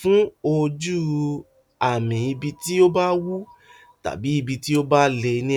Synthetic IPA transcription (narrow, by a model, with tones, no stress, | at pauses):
fũ˨˦o˧d͡ʒu˦˨ | a˨mĩ˨i˧bi˧ti˦o˦ba˦wu˦ | ta̰˨bi˨˦i˧bi˧ti˦o˦ba˦le˧nĩ˦